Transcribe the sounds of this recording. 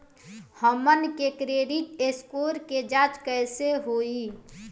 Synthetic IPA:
həmənkekɾeɖiʈ̪eskoːɾked͡ʒaːt͡ʃkəɪseɦoi

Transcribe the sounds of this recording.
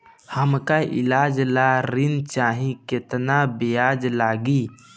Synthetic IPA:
həmkaʔɪ̰laːd͡ʒlaːɾɪnt͡ʃaːɦĩkɪt̪nabejaːd͡ʒlaːɡiː

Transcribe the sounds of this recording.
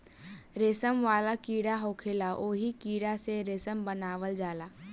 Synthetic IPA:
ɾeːsəmʋaːlakiːɽaɦoːkʰelaʔoːɦikiːɽaseɾeːsəmbənaːʋəld͡ʒaːlaː

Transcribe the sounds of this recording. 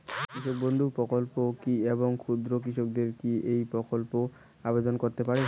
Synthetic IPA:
kɾiʃok̚bond̪ʱuɾpɾɔkolpokieboŋkʰud̪ɾokɾiʃok̚d̪eɾkiejpɾokolpo | abed̪onkoɾt̪epaɾe

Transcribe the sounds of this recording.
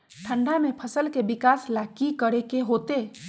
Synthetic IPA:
ʈʰə̃ɳɖamẽpʰɐsəlkeʋɪkaːslaːkikəɽekeɦoːt̪eː

